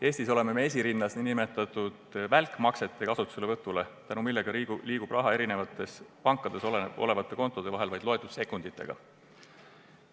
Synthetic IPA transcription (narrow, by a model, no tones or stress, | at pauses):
e̞ːsʲt̪iso̞le̞me̞mees̬ʲiɾinːɑsninime̞t̪ːˑɑt̪ˑud̪̥vælkˑmɑkse̞t̪ːˑe̞kɑsut̪ːˑu̥selevɤt̪ːˑule̞t̪ænumilːe̞ɡ̥ɑiliːɡ̥ub̥rʔɑɦɑe̞ɾine̞vɑt̪ːˑe̞spɑŋkːˑɑd̪̥e̞soleʔo̞̰le̞vɑt̪ˑːe̞ko̞nt̪ːˑo̞d̪̥e̞vɑɦe̞lvɑjd̪̥lo̞et̪ːˑud̥̪se̞kːˑund̪̥it̪ˑːe̞̰ɡ̥ɑ̰